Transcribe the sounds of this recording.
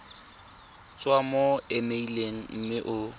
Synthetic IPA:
t͡sʼwamoɪmeileŋ̩m̩mɪʔʊ

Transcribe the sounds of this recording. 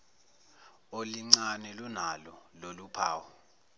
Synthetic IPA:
oliŋ͡ǀanɛlunalɔlolupʰaːwɔ

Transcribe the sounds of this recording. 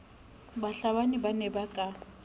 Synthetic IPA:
baɬaβanibanɛbakʼa

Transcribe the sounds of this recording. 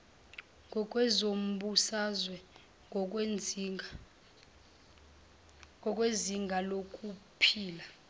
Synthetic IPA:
ɔk̬ʼwɛzom̩ɓusazwɛ | ɔkʼweziŋɡʱalokʼupʰiːla

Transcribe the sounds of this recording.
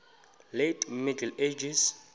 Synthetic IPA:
letʼmidɛled͡ʒis

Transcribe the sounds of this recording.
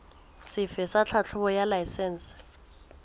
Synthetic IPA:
sɪfɛsat͡ɬʰat͡ɬʰʊβɔjalajsɛːns

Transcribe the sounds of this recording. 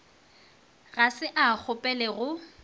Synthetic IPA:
ɣasɪʔak͡xʰʊpʼɛlɛɣʊ

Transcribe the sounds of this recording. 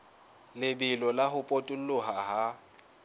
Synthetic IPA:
lɪbɪlɔlaɦʊpʼotʼʊl̩lʊɦaɦa

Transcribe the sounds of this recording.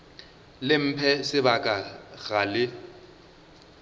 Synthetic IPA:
lɪm̩pʰɛsɪbakʼaɣalɪ

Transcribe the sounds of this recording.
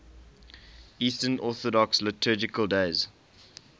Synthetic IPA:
iːstənʔɔˑθɔdɔkslətʰəːd͡ʒɪkəlˠdeɪz

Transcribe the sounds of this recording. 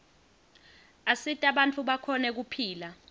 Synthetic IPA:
asitʼaɓantʼuɓakʰɔnɛk̬upʰiːla

